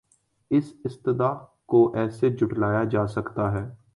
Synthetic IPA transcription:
ɪsɪst̪ɪd̪aːkoʔɛːsed͡ʒʱʊʈlaːjad͡ʒaːsɐkt̪aɦɛː

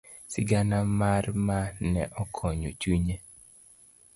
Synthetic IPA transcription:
sɪɡanamarmanɛʔɔkʰɔɲot͡ʃwiɲe

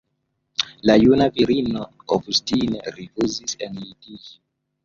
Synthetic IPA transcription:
lajunaviɾinooɡustineɾifuzisenidi

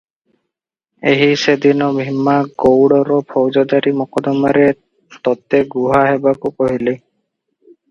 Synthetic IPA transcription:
eɦised̪inɔbʱimːaɡowɽɔɾɔpʰɔwd͡ʒɔd̪aɾimɔkɔd̪ɔmaɾɛ | t̪ɔt̪ɛɡuɦaɦɛbakukoɦile

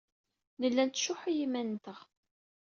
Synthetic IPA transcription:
nəlːænt̪ʃʊħijimænt̪əʁ

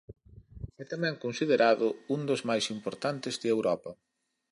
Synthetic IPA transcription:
ɛt̪amɛ̃ŋkonsiðeɾʔaðʊund̪ʊzmajsimpoɾt̪ant̪ɪzðɪewɾɔpɐ

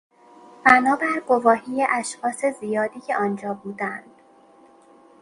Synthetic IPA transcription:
b̥ænɒːbæɾɡovɒːhiːjeʔæʃxɒːse̞zijɒːd̪iːcʰe̞ʔɒːnd͡ʒɒːbuːd̪ænd̪̥

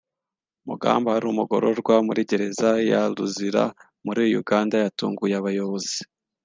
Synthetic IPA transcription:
muɡa̰ːmbahaɾuːmuɡo̞̰ɾoɾɡwamuɾiɟe̞ɾe̞zajaluziɾa̰ | muɾijojuɡaːndajatṵːŋɡujaaβajo̞βozi̥

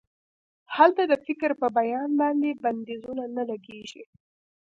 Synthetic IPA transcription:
halt̪ad̪əfɪkɾpəbajɑnbɑnd̪eband̪ezunanalaɡeʒi

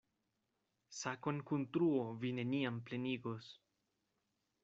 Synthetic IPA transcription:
sakonkunt̪ɾuovine̞niample̞niɡo̞s

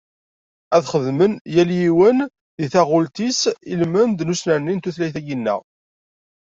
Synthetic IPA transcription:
æðχəðmənjæljiwən | ðiθæʁʊlt̪isilmənd̪nusnænːint̪uθlæjθæɡinːə̰ʁ

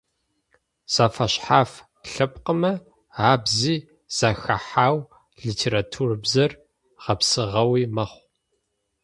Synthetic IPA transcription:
z̥afɐɕħaːf | ɬɐpqəmɐ | aːbziː | z̥axɐ̰ħaːw | ɮiːtʰeːɾatʰurbzɐr | ʁɐpsɨʁɐwiːmɐχʷ

